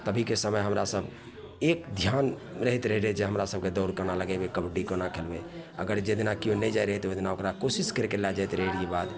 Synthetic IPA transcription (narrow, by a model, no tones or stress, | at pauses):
t̪əbʱikesəməjɦəmɾasəb | ekd̪ʱjanɾəɦit̪ɾəɦɛɾɦed͡ʒeɦəmɾasəb̚ʱked̪ɔʊɾkənaləɡebekəbɖikənakʰelbeə̰ɡəɾd͡ʒed̪inakiõnɛjd͡ʒajɾəɦɛt̪od̪inaokɾakosiskəɾekelad͡ʒajt̪ɾəɦiɾjebad̪